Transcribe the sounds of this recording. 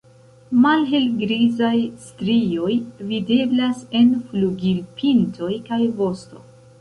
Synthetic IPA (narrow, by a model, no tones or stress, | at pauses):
malɦelɡɾizajstɾio̞jvide̞blase̞nfluɡilpʰintʰo̞jkajvo̞sto̞̰